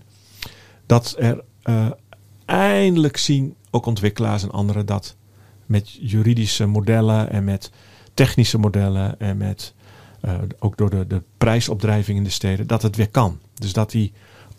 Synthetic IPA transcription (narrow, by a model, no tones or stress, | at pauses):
d̥ɔtɛr | ʔɛjəndələksinowkɔntʋɪkəla̰ːs̬ɛnʔɔ̰ndəɾədɔt | mɛtjyɾidisəmodɛləʔɛ̰nmɛtː | ɛxnisəmodɛləɛnmɛt | oːɡ̚dʊɹdədəprɛjsɔb̚drɛjvɪŋɪndəsteːdədɔtətʋɪkɑndøsdɔti